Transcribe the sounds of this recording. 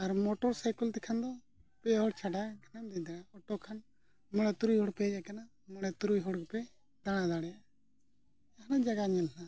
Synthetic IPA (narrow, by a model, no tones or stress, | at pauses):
aɾmɔʈɔɾsajkəlt̪ɛkʰand̪ɔ | pɛɦɔɽt͡ʃʰaɖaɡʰʱɛnamd̪ɛd̪aɽaɔʈːɔkʰan | mɔɽɛt̪uɾujɦɔɽpɛd͡ʒaʔkana | mɔɽɛt̪uɾujɦɔɽkɛpɛ | d̪aɽ̃ad̪aɽɛja | aɦnad͡ʒaɡaɲɛlna